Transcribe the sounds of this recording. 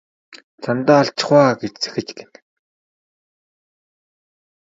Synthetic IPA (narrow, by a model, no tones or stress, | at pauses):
t͡sʰant̪aːaɬt͡ɕɪ̥̆χwaːɡet͡ɕt͡sʰæ̥xɘ̆t͡ɕɡen